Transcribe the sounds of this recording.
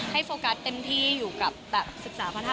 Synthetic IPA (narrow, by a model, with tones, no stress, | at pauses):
ha˥˩jfoː˧ka˦˥t̪ːe˧mt̪ʰiː˥˩juː˨˩ka˨˩p̚bɛː˨˩p̚sɯ˨˩k̚saː˩˦pʰa˧t̪ʰa˧